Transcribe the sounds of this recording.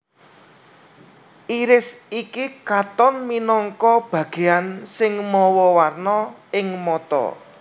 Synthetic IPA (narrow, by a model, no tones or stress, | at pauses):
ʔiɾɪsikikat̪ɔnminɔŋkɔb̥ä̤ɡ̥e̤ansɪŋmɔwɔwarnɔɪŋmɔt̪ɔ̰